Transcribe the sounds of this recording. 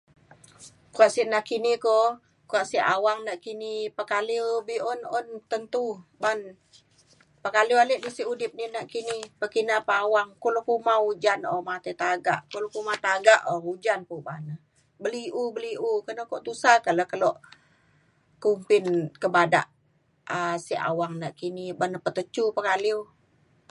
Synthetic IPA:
kuaʔsiʔnaʔkiniko | kuaʔsiʔawaŋnaʔkinipakalibiɔnɔnt̪ənt̪uban | pakalualɛʔbisiʔudɪp̚ninaʔkinipəkinapaawaŋkolokumaud͡ʒanɔmat̪et̪aɡaʔkulokumat̪aɡaʔɔud͡ʒanpuba̰nə | bəliʔubəliʔukənəkɔʔt̪usakaləkəlɔʔ | kumpɪnkəbada̰ʔ | əsiʔa̰waŋnaʔkinibanəpət̪ət͡ʃupəkaliw

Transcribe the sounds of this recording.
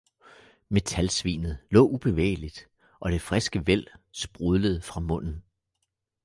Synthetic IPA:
me̝t͡sʰælsʋḭːnð̞̩ˠlɔ̰̽ːub̥e̝ʋḛːɪlid̥ | ʔɒ̽ɾ̥e̝fʁɛsɡ̥əʋel̰sb̥ʁuðˠləð̞̩ˠfʁɑ̈mɔ̽n̰n̩

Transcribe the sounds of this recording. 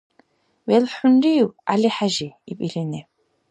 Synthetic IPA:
wɛlħʊnriwaliħaʒiːpʼilinɛ

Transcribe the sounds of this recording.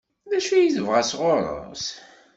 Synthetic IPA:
ðæʃijiθəvʁasʁoɾˤə̰s

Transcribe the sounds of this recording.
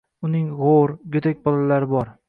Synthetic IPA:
ʊnɪŋʁoɾɡʲet̪ʰak̚ʲbɒlalaɾɪbɒɾ

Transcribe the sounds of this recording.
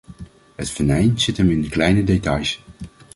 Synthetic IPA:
ɦətfənɛjnz̥ɪtɦɛmɪnəklɛjnədetɑjs

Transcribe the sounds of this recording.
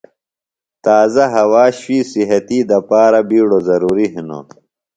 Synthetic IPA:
t̪aːzɐɦɐwaːɕwiːsiɦɐt̪iːd̪ɐpaːɾɐbiːɽozɐɾuːɾiɦino̰

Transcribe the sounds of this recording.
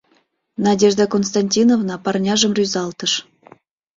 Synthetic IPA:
nadʲeʐd̪əkons̬t̪anʲtʲinovnɑpɑrnʲɑʒə̆mrʲyzɑlˠt̪əʃ

